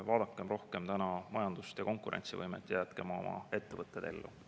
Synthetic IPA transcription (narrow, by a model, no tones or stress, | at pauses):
vɑːd̪̥ɑkːˑemro̞hke̞mt̪ænɑmɑjɑnd̪̥ust̪jɑko̞ŋkuɾʔe̞̰nt̪sivɤ̰jmḛt̪ːˑjæt̪ke̞mɑo̞̰mʔɑ̰e̞t̪ːevɤt̪ːˑed̪̥e̞lːṵ